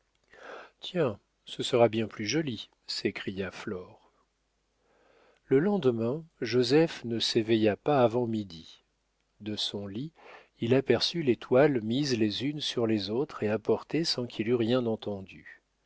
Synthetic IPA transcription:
t̪jɛ̃ | səsəʁabjɛ̃plyʒɔli | sekχijaflɔʁ | ləlɑ̃d̪mɛ̃ʒozɛfnəsevɛjapaːvɑ̃mid̪i | d̪əsɔ̃li | ilapɛʁsylet̪ʰwalmizlezynsyʁlezot̪χeapɔʁt̪esɑ̃kʰilyʁjɛ̃nɑ̃t̪ɑ̃d̪y

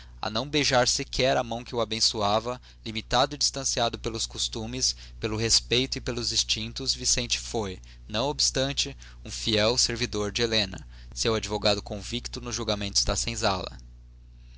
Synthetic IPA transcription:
ɐ̰nɐ̃w̃bejʒaɾsɪkʰɛɾɐmɐ̃w̃kɪuabẽsuavɐ | limit̪ad̪ʊɪd͡ʒist̪ɐ̃siad̪ʊpelʊskost̪ũmɪs | pelʊɦespejt̪ʊipelʊzĩst͡ʃĩnt̪ʊzvisẽnt͡ʃɪ̥foj | nɐ̃w̃obist̪ɐ̃nt͡ʃɪ | ũfiɛwseɾvid̪oɾd͡ʒɪelẽnɐ̰ | sewad͡ʒivoɡad̪ʊkõvikt̪ʊnʊzʒuɡamẽnt̪ʊzd̪ɐsẽj̃zalɐ̰

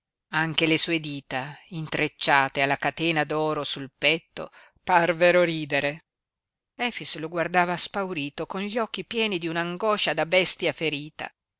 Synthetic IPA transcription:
aŋk̟elesuːed̪iːt̪aint̪ɾet͡ʃːaːt̪ealːakat̪eːnad̪ɔːɾosulpɛt̪ːo̰ | parveɾoɾiːd̪eɾe | ɛfisloɡward̪aːvaspawɾiːt̪okonʎɔkːipjɛːnid̪iunaŋɡɔʃad̪abɛst̪jafeɾiːt̪a̰

